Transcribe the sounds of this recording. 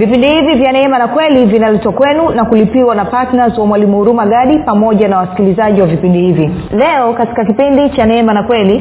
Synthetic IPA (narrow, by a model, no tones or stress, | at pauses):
vipindihivivjanɛɛmanakwɛlivinalɛtwakwɛnunakulipiwanapatnazwamwalimuuɾumaɠaɗipamɔʄanawasi̥kilizaʄiwavipindihivilɛɔkati̥kakipindit͡ʃanɛɛmanakwɛli